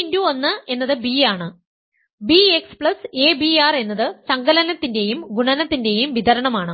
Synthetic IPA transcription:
nduo̞nːɨe̞nːɐðɨbiaːɳɨ | biekspɭɐseːbiaːre̞nːɐðɨsɐŋɡɐlɐnɐt̪ːinde̞jumɡuɳɐnɐt̪ːinde̞jumʋiðɐɾɐɳɐmaːɳɨ

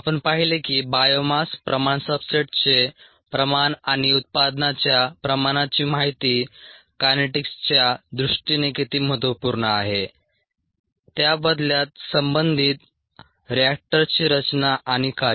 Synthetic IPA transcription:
apəɳpaɦilekiːbajomaspɾəmaɳsəbseʈt͡se | pɾəmanaɽ̃iut̪̚pad̪nat͡ɕjapɾəmaɽ̃at͡ɕiːmaɦit̪iː | kaneʈikst͡ɕjad̪ɾuʂʈinekit̪iːməɦət̪ʋəpuɾɳəaɦe | t̪jabəd̪ljat̪̚səmbənd̪ʱiːt̪ | ɾiak̚ʈəɾt͡ɕiːɾət͡ɕnaʔaɽ̃ika

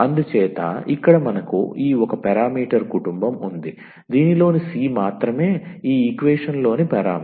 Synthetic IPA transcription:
ɐnd̪ut͡ʃɛːt̪ɐ̰ikːɐɽɐmɐnɐkṵiːɔkɐpɛɾaːmiːʈɐɾkuʈumbɐmund̪i | d̪iːnilo̞ːnisiːmaːt̪ɾɐme̞ːiːikʋeːʂɐnlo̞ːnipɛɾaːm

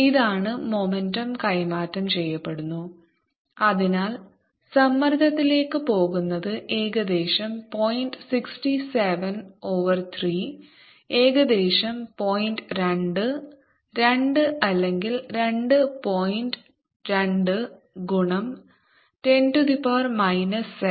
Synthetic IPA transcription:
iðaːɳɨmomendɐmkɐjmaːtːɐmt͡ɕe̞jːɐpːe̞ɽunːu | ɐðinaːl | sɐmːɐɾd̪ʱɐt̪ːile̞ːkːɨpo̞ːɣunːɐðɨʔe̞ːɣɐd̪e̞ːɕɐmpo̞jndsikstiseʋɐno̞ːʋɐrt̪ʰriː | e̞ːɣɐd̪e̞ːɕɐmpo̞ːjndɾeɳɖɨ | ɾe̞ɳɖɨʔɐlːe̞ŋɡilɾe̞ɳɖɨpo̞ːjnd | ɾeɳɖɨ | ɡuɳɐm | te̞ndud̪ipaːrmɐjnɐs

